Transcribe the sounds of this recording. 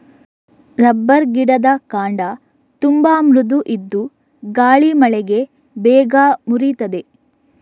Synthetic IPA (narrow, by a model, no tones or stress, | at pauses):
ɾɐbːɐɾɡiɽɐd̪ɐkaːɳɖɐ | t̪umbaːmɾud̪uʔid̪ːu | ɡaːɭimɐɭɛɡe̞ | bɛːɡamuɾit̪ɐd̪e̞